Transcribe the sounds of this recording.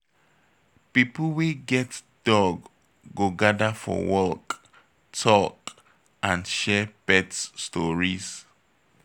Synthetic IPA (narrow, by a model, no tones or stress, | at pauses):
pipl̩weɡɛt | d̥ɔɡː | oɡadafɔ̰wɔk | tʰɔk | ãnʃɛbɛtsːtɔɹis